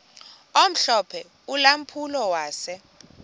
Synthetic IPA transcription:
om̩ɬɔpʰɛ | ulam̩pʰulɔwaːsɛ

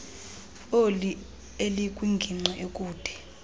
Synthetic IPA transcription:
oli | elikʼwiŋɡʱiŋ͡ǀɛʔekʼuːd̥ʱɛ̥

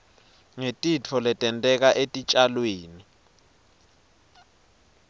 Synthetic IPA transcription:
ŋetʼit͡fʰɔlɛtʼɛntʼɛk̬aʔetʼit͡ʃʼalweːni

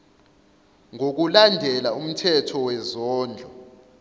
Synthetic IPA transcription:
ŋok̬ulandʱɛlaum̩tʰɛtʰɔwɛzɔːnd͡ɮʱɔ

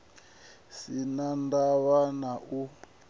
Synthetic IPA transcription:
sinandaβanaʔu

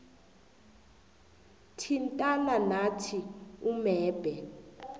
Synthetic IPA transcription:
tʰintʼananatʰiumɛːb̥ʱɛ

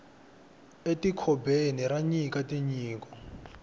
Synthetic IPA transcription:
etikʰɔbeniɾaɲikatiɲiːkɔ

